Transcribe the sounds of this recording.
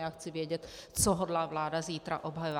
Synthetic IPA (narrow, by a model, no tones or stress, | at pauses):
axt͡siʋɪɛɟɛtt͡sɔɦɔd̪laːʋlaːd̪aziːt̪ɾa̰ʔɔbɦajɔʋ